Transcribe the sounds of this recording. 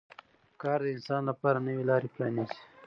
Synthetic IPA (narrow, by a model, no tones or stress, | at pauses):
kɑɾd̪əɪnsɑnlapɑɾanəwelɑɾepɾɑnizi̥